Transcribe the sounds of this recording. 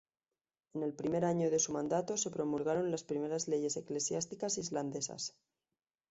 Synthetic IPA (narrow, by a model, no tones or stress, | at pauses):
e̞ne̞lpɾime̞ɾaɲo̞ðe̞sumãnd̪at̪o̞se̞pɾo̞mulɣ̞aɾo̞nlaspɾime̞ɾazle̞ʝe̞se̞kle̞sjast̪ikasizland̪e̞sa̰s